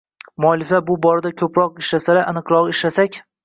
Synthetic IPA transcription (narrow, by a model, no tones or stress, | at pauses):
mʊɒlɪfabʊbɒɾɪd̪akʲʰɵpɾɒqɪʃlasalaʔɨnɨqɾɒqɪʃlasakʲ